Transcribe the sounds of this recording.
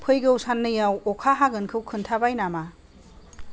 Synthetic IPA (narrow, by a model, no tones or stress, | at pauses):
pʰɯjɡɯwsanːɯjawɔkʰaɦaɡɯnkʰɯwkʰɯntʰabajnama